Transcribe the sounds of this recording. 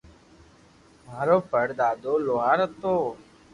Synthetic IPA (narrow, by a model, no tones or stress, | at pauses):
maːɾoːpəɽd̪aːd̪oːloːɦaːɾət̪oː